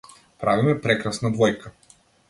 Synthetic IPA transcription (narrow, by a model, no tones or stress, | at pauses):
pɾavimɛpɾɛkɾasnad̪vɔjka